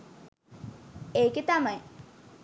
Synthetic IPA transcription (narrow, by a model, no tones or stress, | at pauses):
eːket̪amaj